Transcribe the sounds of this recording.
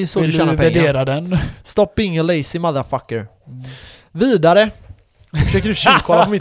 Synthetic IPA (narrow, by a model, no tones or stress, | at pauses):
sɔd̪ʃɛːnapæɖeːɾad̪ɛnst̪ɔpːɪŋːəleɪsɪmaðafakːəɾ | viːd̪aɾə | fəʂøːkəd̪ʉfʃkʰɔlaɔmɪ